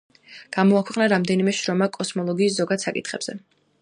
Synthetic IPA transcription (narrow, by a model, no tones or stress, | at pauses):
ɡ̥amɔakʰwɛqʼnaɾamd̪ɛnimɛʃɾɔmakʼɔsmɔlˠɔɡiːszɔɡad̪̥sakʼit̪ʰχɛbz̥ɛ